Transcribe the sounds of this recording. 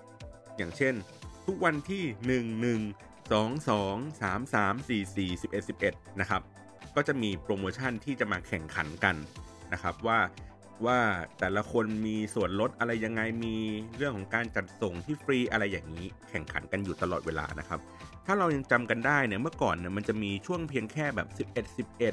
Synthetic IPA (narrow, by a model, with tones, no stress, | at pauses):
jaː˨˩ŋt͡ɕʰe˥˩nt̪ʰu˦˥k̚wa˧nt̪ʰiː˥˩nɯ˨˩ŋnɯ˨˩ŋ | sɔː˩˦ŋsɔː˩˦ŋsaː˩˦msaː˩˦msiː˨˩siː˨˩si˨˩pʔe˨˩t̪̚si˨˩p̚ʔe˨˩t̪̚na˦˥kʰa˦˥p̚ | kɔː˥˩t͡ɕa˨˩miː˧pɾoː˧moː˧t͡ɕʰa˥˩nt̪ʰiː˥˩t͡ɕa˨˩maː˧kʰɛ˨˩ŋkʰa˩˦nka˧n | na˦˥kʰa˦˥p̚waː˥˩ | waː˥˩t̪ɛː˨˩la˧kʰo˧nmiː˧su˨˩ənlo˦˥t̪̚ʔa˧ɾa˧jːa˧ŋːa˧jmiː˧ɾɯ˥˩əŋkʰɔ˩˦ŋkaː˧nt͡ɕa˨˩t̪̚so˨˩ŋt̪ʰiː˥˩fɾiː˧ʔa˧ɾa˧jːaː˨˩ŋiː˦˥kʰɛ˨˩ŋkʰa̰˨˩˦nka˧njuː˨˩t̪a˧lɔː˨˩t̪̚weː˧la̰ː˧nʔa̰˦˥kʰa˦˥p̚t̪ʰaː˥˩ɾa˧wja˧ŋt͡ɕa˧mka˧ndaː˥˩jni˥˩mɯ˥˩əkɔː˨˩nːi˦˥˩ma˧nt͡ɕa˨˩miː˧t͡ɕʰu˥˩əŋpʰi˧əŋkʰɛː˥˩bɛː˨˩p̚si˨˩p̚ʔe˨˩t̪̚si˨˩p̚ʔe˨˩t̪̚